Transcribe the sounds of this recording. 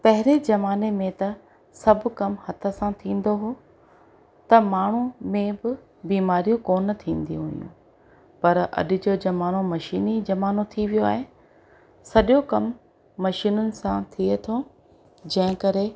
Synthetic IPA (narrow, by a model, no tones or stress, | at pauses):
pɐɦɪɾed͡ʑɐʋaːnemẽt̪ɐ | sɐbʱʊkɐmhɐt̪ʰə̆sãt̪ʰĩːn̆d̪oɦoː | t̪ɐmaːɳ̤umẽbɪ | biːmaːɾijõkoːnt̪ʰĩːn̆d̪iɦujṵ̃ː | pɐɾɐ̰ɗɪ̆d͡ʑoːd͡ʑɐmaːnomɐʃiːnid͡ʑɐmaːnot̪ʰiʋijoaːɦe | sɐɗjokɐmː | ɐʃiːnʊnɪ̆sãt̪ʰiet̪ʰo | d͡ʑɐ̃ɦɪ̃kɐɾe